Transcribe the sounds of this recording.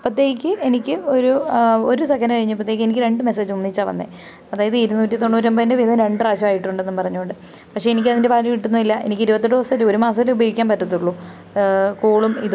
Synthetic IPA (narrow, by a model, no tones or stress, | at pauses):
pːɐt̪ːeːɣikʲːɨʔe̞nikʲːɨo̞ɾuo̞ɾusɐkʰːɐnɐkɐɻiɲːɨpːɐt̪ːejikːɨenikʲːɨɾe̞ɳɖɨme̞seːd͡ʑunːit͡ɕːaːʋɐ̰nːḛ | ɐðaːjɐðɨiɾunːuːtːit̪ːoɳːoːɾɐmbɐðindeʋiðɐɾe̞ɳɖraːɕɐmaːjiʈːuɳɖe̞nːumpɐrɐɲːuɳɖɨ | pɐkʂeenik̬ʲːɐðinde̞paːliʋiʈːunːuʋilːɐʔe̞̰nikʲːiɾubɐt̪ːiɖoːsɐluoɾumaːsɐt̪ːileubɐjikʲːaːnpɐtːɐt̪ːuɭːu | kuːɭumḭð